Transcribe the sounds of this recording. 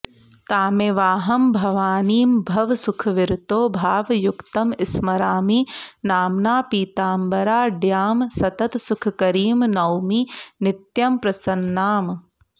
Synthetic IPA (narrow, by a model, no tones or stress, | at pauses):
t̪aːmeʋaːɦɐmbʱɐʋaːniːmbʱɐʋsukʰɐʋiɾt̪oːbʱaːʋjukt̪ɐmɪsmɐɾaːminaːmnaːpiːt̪aːmbɐɾaːɖjaːmsɐt̪ɐt̪sukʰɐkɐɾiːmnɐwminɪt̪jɐmpɾɐsɐnːaːm